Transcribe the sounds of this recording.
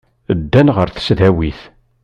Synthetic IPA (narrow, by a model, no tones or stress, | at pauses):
d̪ːænʁəɾθə̥sðæwiθ